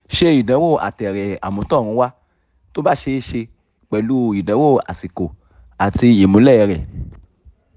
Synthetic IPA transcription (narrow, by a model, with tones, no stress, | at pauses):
ʃe˧i˨dã˨˦wo˦˨a̰˨tɛ˨ɾɛ˨a̰˨mũ˨˧˦tɔ̃˦˨ɾ̃ũ˧˦wa˦ | to˦ba˦˨ʃe˧˦ʃe˧ | k͡pɛ˨lu˦i˨dã˨˦wo˦˨a̰˨si˨ko˨ | a˨ti˧e˨mũ˨˦lɛ˦˧ɾɛ˨